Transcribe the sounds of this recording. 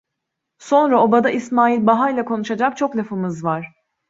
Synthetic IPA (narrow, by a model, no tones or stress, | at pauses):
so̞nɾao̞bad̪aʔismaːilʲbaɦajlʲakʰo̞nuʃad͡ʒak̚t͡ʃʰo̞klʲafɯmɯzvaɾ̝̥